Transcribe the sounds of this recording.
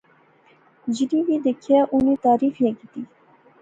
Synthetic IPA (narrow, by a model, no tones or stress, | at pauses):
d͡ʒiɾivid̪əkʰɛʔunit̪ɑːɾifjɛɡid̪i